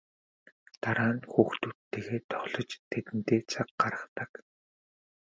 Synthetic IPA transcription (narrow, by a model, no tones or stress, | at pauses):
t̪aɾaːnxuːxt̪ut̪ːeːɣeːt̪ʰɔχɮɞ̆t͡ɕt̪ʰet̪ɘ̆nt̪eːt͡sʰaqɢaɾə̥̆χt̪ə̆k